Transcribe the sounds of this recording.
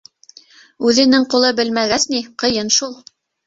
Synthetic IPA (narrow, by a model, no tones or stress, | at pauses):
ʉðɘ̆nɘŋqulˠɤbɘlmæɡæsniqɤ̆jɤnʃulˠ